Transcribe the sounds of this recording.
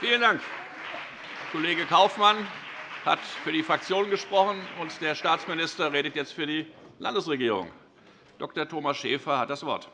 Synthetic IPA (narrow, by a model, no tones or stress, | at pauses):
fiːləndaŋk | kʰoleːɡəkʰaʊfmanha̰tfyːɐdiːfʁ̥ak̚t͡sjoːnənɡəʃpʁ̥ɔχn̩ʊntd̥eːɐʃtaːt͡smɪnɪstɐʁeːɾətjɛt͡stfyːɐdiːlʔa̰ndəsʁeɡiːʁʊ̰ŋ | d̥ɔktɐtʰoːmasʃeːfɐhat̚d̥asv̥ɔɐt